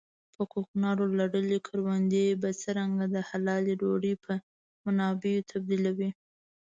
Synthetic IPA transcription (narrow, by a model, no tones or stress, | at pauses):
pəkoknɑɾolaɽəlikʰəɾwand̪ebat͡səɾaŋɡad̪əhalɑleɾoɽipʰə | manɑbejot̪ʰab̚d̪ilawi